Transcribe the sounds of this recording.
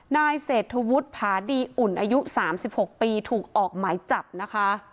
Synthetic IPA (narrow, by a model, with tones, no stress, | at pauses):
naː˧jseː˨˩t̪ʰːu˧wu˦˥t̪̚pʰaː˩˦diː˧ʔu˨˩nʔaː˧ju˦˥saː˩˦msi˨˩p̚ho˨˩k̚piː˧t̪ʰuː˨˩k̚ʔɔː˨˩k̚maː˩˦jt͡ɕa˨˩p̚na˦˥kʰa˦˥